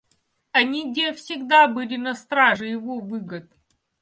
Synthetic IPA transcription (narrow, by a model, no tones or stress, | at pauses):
ɐnʲiɡdʲefsʲɪɡd̪abɨlʲɪnɐst̪ɾaʐɨjɪvovɨɡət̪̚